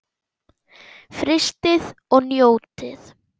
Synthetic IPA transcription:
fɾɪst̪ɪðɔɣnjoːwt̪ɪθ

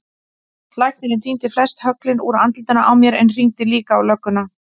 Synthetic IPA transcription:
lajht̪nɪnɪnt̪ʰint̪ɪflɛst̪hœklɪnṵɾant̪lt̪ʏnaʔawmjɛɾɛnr̥iŋt̪ɪliːkaːwlœkːʏna

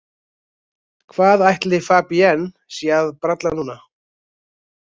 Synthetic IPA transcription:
kʰvaːðajht̪lɪfaːpiɛn | siːðpɾat̪lanuːna

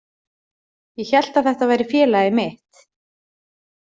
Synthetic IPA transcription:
jɛçɛl̥t̪aθɛht̪avaːjɾɪfjɛːlaɪmɪht̪

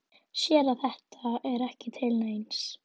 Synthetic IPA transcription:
sjɛːɾaθɛht̪aɛɾɛhcɪt̪ʰɪlnejns

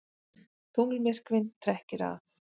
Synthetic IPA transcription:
t̪ʰuŋlmɪr̥kvɪnt̪ʰɾɛhcɪɾa̰θ

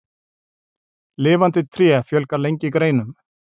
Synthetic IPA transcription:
lɪːvant̪ɪt̪ʰɾjɛfjœlkaɾlejɲcɪkɾeːjnʏm

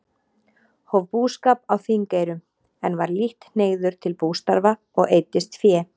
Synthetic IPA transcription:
hovpuːskaːpawθiŋkeːjɾʏm | ɛnvaɾliht̪neːɣðʏɾ̥t̪ʰɪlpuːwst̪aɾva | ɔɣejt̪ɪst̪fjɛː

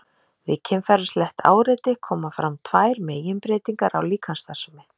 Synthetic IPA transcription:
vɪ̰cʰɛmfɛɾʏst̪lɛht̪ʰa̰ːwɾet̪ɪkʰɔːmafɾamt̪ʰvaːjɾmeːjɪnpɾeːt̪iŋkaɾa̰wliːkʰanst̪ḁsʏmɪ

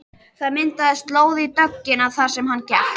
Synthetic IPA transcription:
θaðmɪnt̪aðɪst̪loːwðɪit̪œcːɪnaðθaɾ̥sɛmɦanːcɛ̰

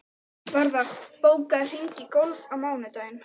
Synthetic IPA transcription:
vaɾðaχpɔwkar̥iŋkikɔlfamawnɛt̪ajn

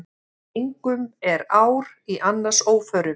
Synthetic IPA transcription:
iŋkʏmɛɾaːwɾ | iʔanːḁsoːwfœɾʏ

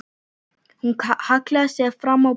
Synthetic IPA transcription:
ŋ̩kʰahakʰlasɛfɾama

